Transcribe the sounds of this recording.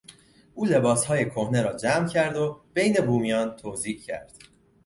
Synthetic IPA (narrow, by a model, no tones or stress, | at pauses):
ʔuːle̞bɒːshɒːje̞kʰohneɾɒːd͡ʒæmcʰæɾd̪o̞b̥e̞jne̞buːmijɒːnt̪ʰoːziːcʰæ̰ɾd̪̥